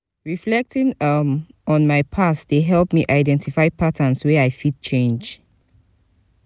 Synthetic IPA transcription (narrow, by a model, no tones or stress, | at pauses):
ɹiflɛk̚tĩŋʌmɔ̃nmaɪpʰasd̥eɦɛlˠpmiʔaɪdɛ̃ntifaɪpʰatʰə̃nswɛaɪfid̚t͡ʃʰẽnd͡ʒ